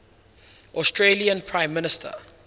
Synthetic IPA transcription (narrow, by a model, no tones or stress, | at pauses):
ʔɔstɹeliə̃npʰɹãɪ̃mːɪnɪstʰə̰